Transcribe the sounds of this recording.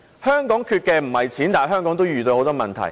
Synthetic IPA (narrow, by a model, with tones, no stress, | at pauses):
hœː˥ŋkɔː˨˥ŋkʰyː˧t̚kɛː˧m̩˨˩hɐ˨jt͡sʰiː˨˥nt̪aː˨˩ɦœː˥ŋkɔː˨˥ŋt̪o˥wjyː˨t̪o˧ho˨˧wt̪ɔː˥mɐ˨nt̪ʰɐ̰˨˩j